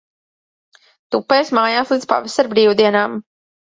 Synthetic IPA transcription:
t̪upːɛːsmaːjaːslˠiːd̪spa̰vɛsaɾbɾiːwd̪iɛnaːm

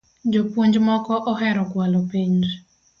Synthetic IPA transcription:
d͡ʒopwoɲd͡ʒmɔkɔʔɔɦɛɾɔkwalɔpiɲd͡ʒ

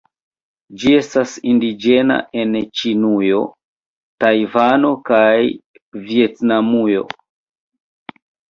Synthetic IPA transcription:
d͡ʒie̞stasindid͡ʒe̞na̰ʔe̞nt͡ʃinujo̞ | tajvano̞kaj | vie̞tnamujo̞̰

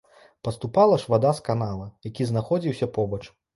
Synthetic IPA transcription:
pɐst̪upalˠɐʂvad̪askanalˠɐjakʲiznaxɔd͡zʲiwsʲɐpɔbɐt͡ʂ

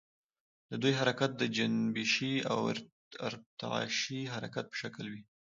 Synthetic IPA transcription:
d̪əd̪ujɦaɾakat̪̚d̪əd͡ʒanbiʃia̰w̰ɾ̰ | ɾt̪a̰ɑ̰ʃiɦaɾakat̪̚pə̥ʃaklwi

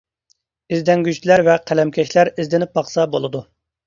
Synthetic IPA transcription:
ɪzd̪ɛŋɡʲyt͡ʃ̪læɾvɛqʰælɛmkʲʰɛʃlæɾizd̪ɪnɪp̚bɑχsɑbolˠɨd̪u

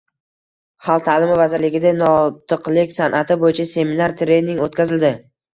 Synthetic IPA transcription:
halt̪ʰaːlɪmɪvazɪɾlɪɡʲɪd̪anɒt̪ʰɨqlɪkʲsanʔat̪ɪbojɪt͡ʃʰase̞minaɾt̪ʰɾenːɪŋot̪̚kʲʰazɪld̪ɪ

